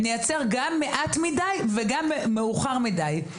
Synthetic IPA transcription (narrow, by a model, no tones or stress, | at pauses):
nijat͡seʁɡamːeʔatmidajveɡameːeuχaʁmidaj